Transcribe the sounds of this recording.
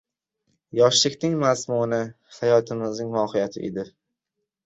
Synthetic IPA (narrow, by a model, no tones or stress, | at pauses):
jɒʃlɪkʲnɪŋmazmʊnɪ | hajɒt̪ʰɪmɪznɪŋnɒhɪjat̪ʰɪʔed̪ɪ